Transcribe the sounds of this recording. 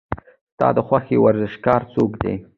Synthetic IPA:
st̪ɑ̰d̪əxwaxewaɾzɪʃɡɑɾt͡sokd̪ḛ

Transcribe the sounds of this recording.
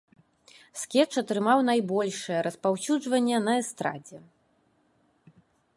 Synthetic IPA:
skʲɛt͡ʂɐt̪ɾɨmawn̪ajbɔlʲʂɨjɛɾɐspawsʲud͡ʐvɐnʲːɛnɐɛst̪ɾa̰d͡zʲɛ

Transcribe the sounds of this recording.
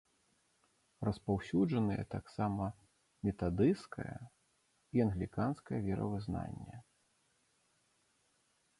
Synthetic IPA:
rɐspawsʲud͡ʐɐnɐjɛ̰t̪aksamɐ | mʲɛt̪ad̪ɨskɐ̰jɐ̰ | iɐnɣlʲikanskɐjɐvʲɛɾɐ̰vɨzna̰nʲːɛ

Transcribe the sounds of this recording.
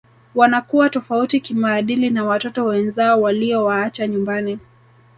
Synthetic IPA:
wanakuwatɔfautikimaːɗilinawatɔtɔwɛnzaɔwaliɔwaat͡ʃaɲumbani

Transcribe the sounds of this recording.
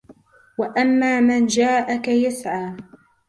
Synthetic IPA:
waʔamːaːmand͡ʒaːʔakajasʕaː

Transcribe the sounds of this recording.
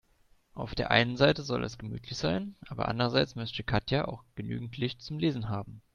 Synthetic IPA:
ʔaʊfd̥eːɐʔa̰ɪnənzaɪtəzɔ̰lʔɛ̰sɡ̥əmy̰ːtʰlɪçz̥aɪnʔaːbɐ̰ʔa̰ndəʁɐzaɪt͡smœstəkʰatʰjaʔa̰ʊxɡ̥əny̰ːɡŋ̩tʰlɪçt̚t͡sʊmleːzn̩ɦaːbm̩

